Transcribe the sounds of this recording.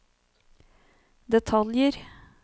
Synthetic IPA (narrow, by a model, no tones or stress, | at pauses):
d̪ɛt̪ʰɑljəɾ